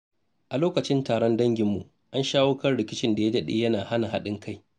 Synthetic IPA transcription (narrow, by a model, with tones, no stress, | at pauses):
ʔa˨loː˦kɐ˨t͡ʃɪ˦ntaː˨ɽɔ˦ndɐ˦ŋɡʲɪ˨mːu˨ | ʔa˦nʃaː˦woː˦kɐ˦rɽɪ˨kʲɪ˦t͡ʃɪ˦nda˨ja˦dɐ˦ɗḭː˦jɐ˦naː˨ha˦na˨ɦa˦ɗɪ˦ŋkʰa˦˨j